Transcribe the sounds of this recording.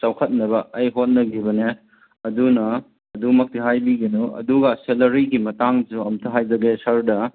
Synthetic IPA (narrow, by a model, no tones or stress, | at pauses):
t͡ʃawkʰɐt̚nɐβɐɐjɦot̚nɐɡibɐne | ɐdunɐː | dumɐk̚tiɦajbiɡinoɐ̰duɡɐselɐɾiɡimɐtaŋd͡ʒuɐmtʰɐɦajd͡ʒɐɡesɐɾdɐ